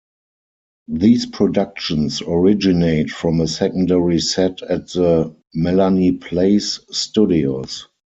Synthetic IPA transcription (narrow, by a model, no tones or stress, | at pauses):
ðiːspʰɹɔdakʃə̃nsɔɹɪd͡ʒɪneɪtfɹɔ̃məsɛkə̃ndɛɹisɛtʰætðə | mɛlanipʰleɪsːtudios